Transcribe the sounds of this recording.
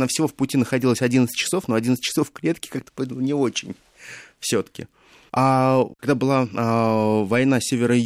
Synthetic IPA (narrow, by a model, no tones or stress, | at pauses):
nafsʲɪvo̞fpʊtʲinəxɐdʲilˠəsʲɐdʲint̪sɨ̥t̚ʲt͡ɕɪsofnoɐdʲint̪ɨ̥t͡ɕːɪ̥sofklʲet̪kʲɪ̥kak̚t̪ɨ̥polˠnʲɪo̞t͡ɕɪnʲ | fsʲo̞t̪ə̥kʲɪ̰ | akaɡd̪abɨlˠaavɐjnasʲevʲɪɾə